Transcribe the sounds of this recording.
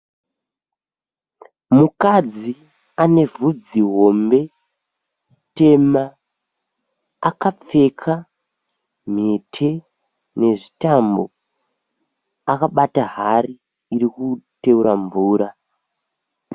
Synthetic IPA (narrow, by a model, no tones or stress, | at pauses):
mukad͡zi | ane̞vud͡ziɦo̞mbe̞ | te̞ma | akap͡fe̞kʰa | m̤etʰe̞ | ne̞ʐitambo̞ | akaɓataɦariː | ɾikute̞uɾamvuːɾa